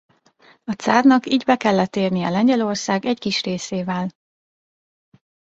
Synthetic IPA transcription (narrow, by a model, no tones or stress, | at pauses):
ɒt̪saːrnɒkiːɟbɛkɛlːɛt̪eːrnijɛlɛɲɟɛlo̞rsaːɡɛckiʃreːseːvɛl